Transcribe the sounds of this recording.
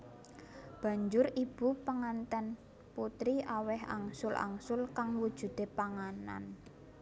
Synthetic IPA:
b̥ä̤ɲd͡ʒʊɾib̥ṳpaŋant̪ɛn | put̪ɾiʔawɛha̰ŋsʊlʔa̰ŋsʊlkaŋwud̥ʒ̥ṳd̪̥e̤paŋana̰n

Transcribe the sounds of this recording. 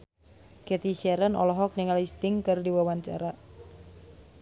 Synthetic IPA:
kɛt̪iʃɛɾənɔ̰lɔɦɔk̚niŋalist̪ɪŋkɨrdiwawaɲt͡ʃa̰ɾa

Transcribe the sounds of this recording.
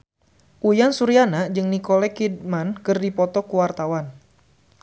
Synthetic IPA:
ʔujansuɾianad͡ʒɨŋnikɔlɛkid̚mankɨrdipɔt̪ɔkuwart̪awan

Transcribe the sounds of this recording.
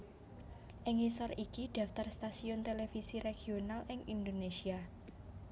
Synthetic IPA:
ʔɪŋisɔrikiɖ̪̥ä̤ft̪arst̪asiʊnt̪elefisiɾeɡ̥ionalʔɪŋind̪onesia

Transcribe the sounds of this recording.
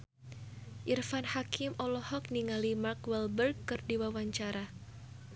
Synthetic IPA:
ʔirfanhakɪmɔlɔhɔk̚niŋalimarkwɛlbərɡkɨrdiwawaɲt͡ʃaɾa

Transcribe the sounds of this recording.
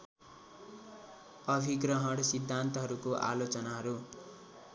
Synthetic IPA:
ʌbʱiɡrʌɦʌɽsid̪ʱːant̪ʌɦʌɾukoʔa̰lot͡sʌnaɦʌɾu

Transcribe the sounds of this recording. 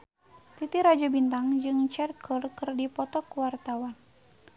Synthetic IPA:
t̪it̪iɾad͡ʒabint̪aŋd͡ʒɨŋt͡ʃɛrkʰərkɨrdipɔt̪ɔkwart̪awan

